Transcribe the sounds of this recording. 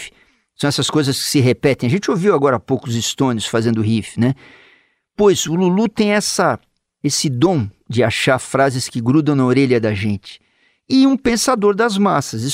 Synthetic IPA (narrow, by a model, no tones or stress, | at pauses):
ɪ̥ | sɐ̃w̃ɛsɐskojzɐskɪ̥sɪɦepɛt̪ẽj̃ɐʒẽnt͡ʃɪoviwaɡɔɾɐapowkʊʊzɪst̪õnʊsfazẽnd̪ʊɦifɪnɛ | pojzʊlulut̪ẽj̃ɛsɐ | esɪd̪õd͡ʒɪaʃaɾfɾazɪskɪɡɾud̪ɐ̃w̃nɐoɾeʎɐd̪ɐʒẽnt͡ʃɪ̥ | ɪũpẽsad̪oɾd̪ɐzmasɐzi